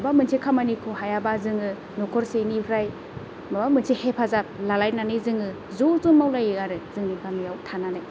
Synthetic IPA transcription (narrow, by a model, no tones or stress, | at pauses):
abamɯnsʰekʰamanikʰoɦajabazɯŋɯ | nɔkʰɔɾsenipʰɾaj | mabamɯnsʰehepʰazap̚lalajnanɯjzɯŋɯ | zozumawlajɯaɾɯzɯŋniɡamijawtʰananaj